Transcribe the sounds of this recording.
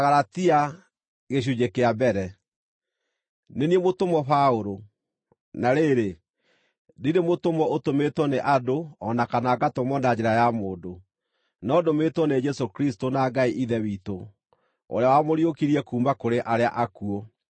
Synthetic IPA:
aɣaɾatia | ɣeɕ̬ud͡ʑekeabɛɾɛ | neniɛmotomɔɸaoɾo | naɾeɾe | diɾemotomɔotometwɔneʔadoɔnakanaɡatomɔnad͡ʑeɾajamoːdo | nɔːdometwɔned͡ʒɛsokɾistonaɡaiʔiðɛwiːto | o̰ɾeawamoɾiokiɾiɛkuːmbakoɾeʔaɾea̰ʔakuɔ

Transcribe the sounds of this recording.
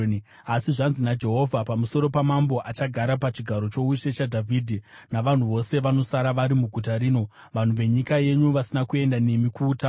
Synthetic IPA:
asiʐanzinad͡ʒe̞ɦo̞vʱapamuso̞ɾo̞pamambo̞ʔat͡ʃaɡʱaɾapat͡ʃiɡʱaɾo̞t͡ʃo̞uʃe̞t͡ʃadʱavʱidʱi | naʋan̤uʋo̞se̞ʋano̞saɾaʋaɾimuɡʱutaɾiːno̞ | ʋan̤uʋe̞ɲikaje̞ɲuʋasinakue̞ndane̞mikuːta

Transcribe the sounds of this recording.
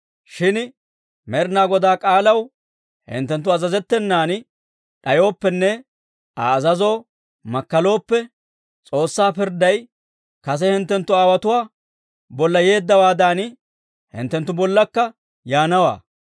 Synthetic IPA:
ʃɪn | mɛɾnaːɡɔd̪aːkʼaːlɐw | hɪ̰nt̪ːɛnt̪ːʊɐzɐzɛt̪ːɛnːaːn | ɗɐjo̞ːpːɛnːɛ | ɐ̰ːzɐzo̞ː | mɐkːɐlo̞ːpːɛ | t͡sʼo̞ːsːaːpɪɾd̪ɐj | kɐs̬ɛhɪnt̪ːɛnt̪ːʊaːwɐt̪ʊwaː | bɔlːɐje̞ːd̪ːɐwaːd̪aːn | hɪ̰nt̪ːɛnt̪ːʊbɔlːɐkːɐ | jaːnɐwa̰ː

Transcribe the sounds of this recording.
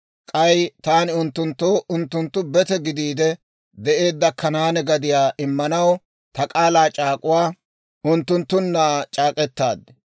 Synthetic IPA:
kʼɐjt̪aːnɪʊnt̪ːʊnt̪ːoːʔʊnt̪ːʊnt̪ːʊbɛt̪ɛɡɪd̪iːd̪ɛ | d̪ɛʔe̞ːd̪ːɐkʰːɐnaːnɛɡɐd̪ɪjaːʔɪmːɐnɐw | t̪ɐkʼaːlaːt͡ʃʼaːkʼʊwaː | ʊnt̪ːʊnt̪ːʊnːaːt͡ʃʼaːkʼɛt̪ːa̰ːd̪

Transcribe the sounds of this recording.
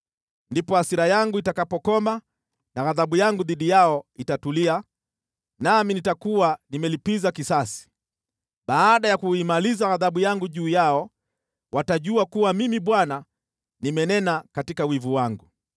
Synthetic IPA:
ndipɔhasiɾajaŋɡuitakapɔkɔma | naɣaðaɓujaŋɡuðiɗijaɔitatulia | naminitakuwanimɛlipizakisasi̥ | ɓaːɗajakuimalizaɣaðaɓujaŋɡuʄuːjaɔ | wʔataʄuakuwamimiɓwana | nimɛnɛnakatikawivuwaŋɡu

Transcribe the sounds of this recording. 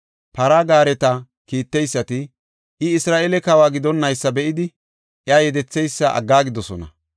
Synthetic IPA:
pɐɾaɡaːɾɛt̪ɐ | kiːt̪ːɛjsːɐt̪ɪ | ʔɪɪsɾaːʔelɛkɐwaːɡɪd̪ɔnːɐjsːɐbɛʔɪd̪ɪ | ʔjaːjɛd̪ɛt͡sːɛjsːɐʔɐ̰ɡːaːɡɪd̪ɔsɔnɐ̰

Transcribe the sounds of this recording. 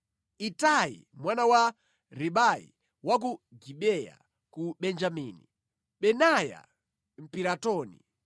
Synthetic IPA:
itaḭmwanawa | ɾiɓaḭ | wak̬uɡiɓɛja̰ | kuɓɛnd͡ʒamiːni | ɓɛnaja̰ | m̩piɾatɔːnḭ

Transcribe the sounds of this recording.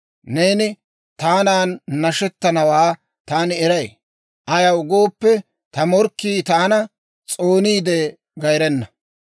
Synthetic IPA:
ne̞ːnɪ | t̪aːnaːnːɐʃɛt̪ːɐnɐwaː | t̪aːnɪɛɾɐj | ʔɐjɐwɡo̞ːpːɛ | t̪ɐmɔɾkːiːt̪aːnɐ | t͡sʼo̞ːniːd̪ɛ | ɡɐjɾɛnːɐ

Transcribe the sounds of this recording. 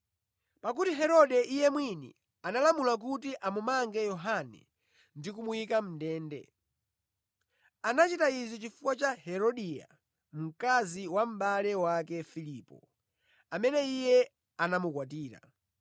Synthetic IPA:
pakutiɦɛɾɔɗɛʔijɛmwinḭ | analamulak̬ut̬iʔamumaŋɡɛjɔɦanɛ̰ | ndikumuikam̩dɛːndɛ̰ | anat͡ʃitaizɔt͡ʃifukwat͡ʃahɛɾɔɗija̰ | m̩kaziwam̩ɓalɛwakɛfiliːpɔ̰ | amɛnɛijɛ | anamukwatiːɾa̰

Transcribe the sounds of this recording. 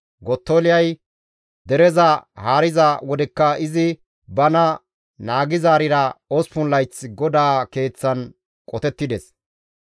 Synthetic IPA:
ɡɔt̪ːoːlɪjɐj | d̪ɛɾɛzɐhaːɾɪzɐwɔd̪ɛkːɐɪzɪ | bɐnɐ | naːɡɪzaːɾɪɾɐɔspʊnlːɐjt͡sːɪɡɔd̪aːke̞ːt͡sːɐn | kʼɔt̪ɛt̪ːɪd̪ɛs

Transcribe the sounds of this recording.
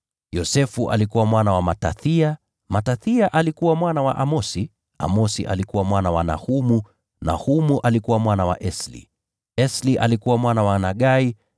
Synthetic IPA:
jɔsɛfuʔa̰likuwamwanawamataθia | mataθiaʔalikuwamwanawaʔamɔsi | a̰mɔsḭʔa̰likuwamwanawana̰humu | na̰humuʔalikuwamwanawaʔɛslḭ | ɛsliʔalikuwamwanawanaɠai

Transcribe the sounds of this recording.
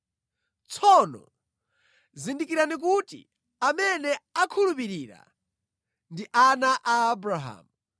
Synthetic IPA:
t͡sʰɔnɔ̰ | zindikiɾanik̬utḭ | amɛnɛakʰulupiɾiːɾa̰ | ndiʔanaʔaːbɾaɦa̰ːmu

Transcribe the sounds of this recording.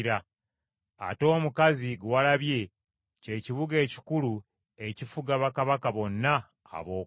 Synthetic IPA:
ɾa | a̰to̞ːmukaziɡwwalaβje̞ | ce̞ːciβuɡe̞ːci̥kulu | ecifuɡaβakaβakaβo̞nːa̰ː | βo̞ː

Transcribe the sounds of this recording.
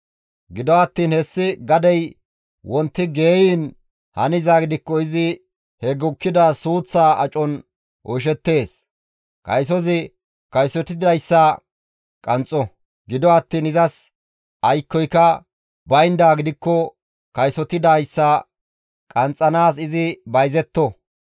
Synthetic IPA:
ɡɪd̪ɔɐt̪ːiːnhɛsːɪɡɐd̪ɛj | wʔɔnt̪ːɪɡe̞ːjiːn | hɐnɪzaːɡɪd̪ɪkːɔɪzɪ | hɛɡʊkːɪd̪ɐsuːt͡sːaːɐt͡ʃʼɔn | ʔɔʃ̬ɛt̪ːe̞ːs | kɐ̰js̬ɔzɪ | kɐjsɔt̪ɪd̪ɐjsːɐ | kʼɐnt͡sʼːɔ | ɡɪd̪ɔɐt̪ːiːnɪzɐs | ʔɐjkːɔjkɐ | bɐjnd̪aːɡɪd̪ɪkːɔ | kɐjsɔt̪ɪd̪ɐjsːɐ | kʼɐnt͡sʼːɐnaːsɪzɪbɐjzɛt̪ːɔ

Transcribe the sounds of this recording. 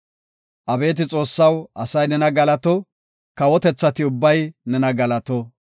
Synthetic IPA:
ʔɐbe̞ːt̪̬ɪt͡sʼo̞ːsːɐwʔɐsɐjnɛnɐɡɐlɐt̪ɔ | kɐwɔt̪ɛt͡sːɐt̪ɪʊbːɐjnɛnɐɡɐlɐt̪ɔ

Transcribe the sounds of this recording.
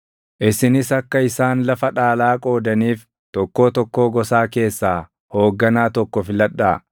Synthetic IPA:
ʔɪsɪnɪsɐkːɐɪsaːnlɐfɐᶑaːlaːkʼo̞ːd̪ɐniːf | t̪ɔkːo̞ːt̪ɔkːo̞ːɡɔsaːke̞ːsːaː | ho̞ːɡːɐnaːt̪ɔkːɔfɪlɐᶑaː

